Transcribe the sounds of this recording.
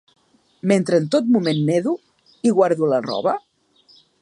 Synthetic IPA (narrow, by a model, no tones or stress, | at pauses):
ment̪ɾəːnt̪ot̪̚mumenːeðu | iɣwaɾðulərɔ̰βə